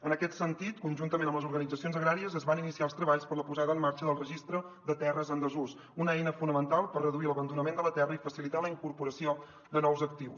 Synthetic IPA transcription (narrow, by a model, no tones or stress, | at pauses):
ənəkɛt̪sənt̪it̪kunʲʒunt̪əmenəmləzuɾɣənid͡zəsionzəɣɾaɾiəzəzβaninisialˠst̪ɾəβaʎspəɾləpuzaðəːmːaɾt͡ʃəðəlˠrəʒist̪ɾəd̪ət̪ɛrəzənd̪əzus | unəɛjnəfunəmənt̪alˠpərrəðuiələβənd̪unəmend̪ələt̪ɛrəifəsilit̪aləiŋkuɾpuɾəsio | d̪ənɔwzək̚t̪iws